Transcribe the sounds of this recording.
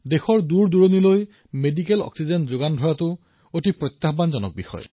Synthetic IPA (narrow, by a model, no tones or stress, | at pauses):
dexɔɹduɹduɹoniloj | medik̬elɔ̰ksizenzoɡandʱɔɹatʊ | otipɹɔt̪ːabanzɔnɔ̰k̚bixɔ̰jɔ̰